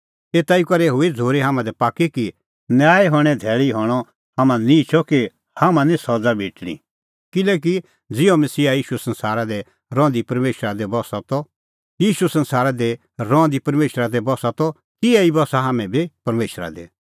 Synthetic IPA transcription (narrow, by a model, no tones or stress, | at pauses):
eːt̪aːikɐɾɛɦʊed͡zʱoːɾiɦaːmãd̪ɛpaːkːiki | njaːiɦɔɽ̃ɛd̪ʱɛːɭiɦɔːɽ̃ɔ | hamãnĩt͡ʃʰɔki | hamãnĩsɔd͡zabʱiːʈɽ̃ḭ | kɪlɛːk̬i | d͡zɪõmɐsiːajiːʃuɛsɐ̃nsaːɾad̪ɛ | ɾɔ̃ːnd̪ipɐɾmeːʃɾad̪ɛbɔsat̪ɔ | jiːʃusɐ̃nsaːɾad̪ɛ | ɾɔ̃ːd̪ipɐɾmeːʃɾad̪ɛbɔsat̪ɔ | kɪɛibɔsaɦaːmɛ̃bʱipɐɾmeːʃɾa̰d̪ɛ̰